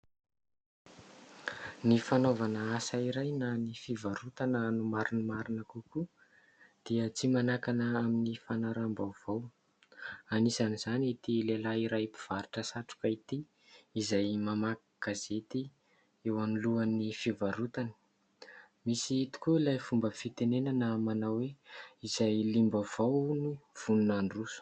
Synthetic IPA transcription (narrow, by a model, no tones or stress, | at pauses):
nifanovanəasaiɾajnanifivaɾut̪anənumaɾunəmaɾinəkuku | d̪̥iət͡simanakanəaminifanaɾambawv̥aw | anisaniz̥anit̪ilelaiɾajpiv̥aɾiʈ͡ʂəsaʈ͡ʂu̥kait̪iː | zajmamakakazet̪i | ewaniluanifivaɾut̪ani̥ | misiit̪i̥kuilajfumbəfit̪enenanamanawweizajlimbav̥awniv̥ununaɳɖ͡ʐusu̥